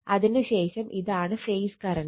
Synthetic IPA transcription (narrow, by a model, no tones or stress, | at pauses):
ɐðinɨɕeːʂɐmʔiðaːɳɨfejskɐɾɐn